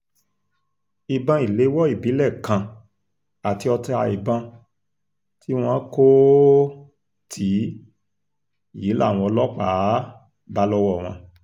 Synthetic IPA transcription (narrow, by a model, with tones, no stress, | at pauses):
i˨bã˧i˨le˨˦wɔ˦i˦˨bi˨˦lɛ˦˨kã˧ | a˨ti˧ɔ˧tɛ˧a˧i˨bã˧ | tʰi˦w̃ɔ̃˧˦ko˦ | tʰi˨˦˨ | ji˨˦la̰˦˨w̃ɔ̃˧ɔ˧lɔ˦k͡pa˨˦ | ba˦lɔ˦wɔ˦˨w̃ɔ̃˧